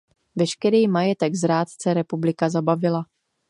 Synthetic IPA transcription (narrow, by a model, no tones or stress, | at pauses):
vɛʃkɛɾiːmajɛt̪ɛɡzɾaːt̪t͡sɛɾɛpublɪkazabavɪla